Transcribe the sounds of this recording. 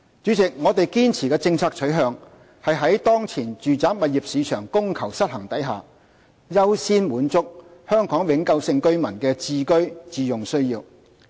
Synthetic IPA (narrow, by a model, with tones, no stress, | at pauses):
t͡ʃyː˨˥t͡sɪ˨k̚ŋɔː˨˧t̪e˨jkiː˥nt͡sʰiː˨˩kɛː˧t͡sɪ˧ŋt͡sʰaː˧k̚t͡ʃʰɵ˨˥ɥɦœː˨˧ŋ | hɐ˨jɦɐ˨˥jt̪ɔː˥ŋt͡sʰiː˨˩nt͡ʃyː˨t͡saː˨˥p̚mɐ˨t̚jiː˨˩p̚siː˨˧t͡ʃʰœː˨˩ŋkʊ˥ŋkʰɐ˨˩wsɐ˥t̚hɐ˨˩ŋt̪ɐ˨˥jɦa̰ː˨ | jɐ˥wsiː˥nmuː˨˥nt͡sʊ˥k̚hœː˥ŋkɔː˨˥ŋwɪ˨˧ŋkɐ˧wsɪ˧ŋkɵ˥ɥmɐ˨˩nkɛː˧t͡siː˧kɵ˥ɥt͡siː˨˧jʊ˨ŋsɵ˥ɥjiː˧w